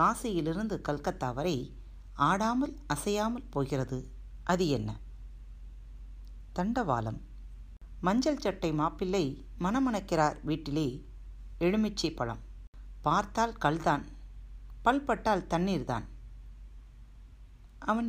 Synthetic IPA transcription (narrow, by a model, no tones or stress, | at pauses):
aːsɐjɪlɪɾɯnd̪ɯkɐɭkɐt̪ːaːʋɐɾɐɪ | aːɽaːmɐlʔɐsɐjaːmɐlpoːɣɪrɐðɯ | ʔɐðɯjɛnːɐ̰ | t̪ɐɳɖɐʋa̰ːlɐ̰mː | ɐɲd͡ʒɐlt͡ʃɐʈːɐɪmaːpːɪlːɐɪ | mɐnɐmɐɳɐkːɪraːɾʋiːʈːɪleː | ɛɻɯmɪt͡ʃːɐɪpːɐɭɐ̰m | paːɾt̪aːlkɐɭðaːn | pɐlpɐʈːaːlt̪ɐɳːiːɾða̰ːn | ʔɐʋɐn